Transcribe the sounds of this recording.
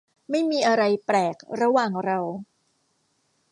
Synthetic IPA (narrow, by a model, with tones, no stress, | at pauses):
ma˥˩jmiː˧ʔa˧ɾa˧jpɾɛː˨˩k̚ɾa˧waː˨˩ŋɾa˧w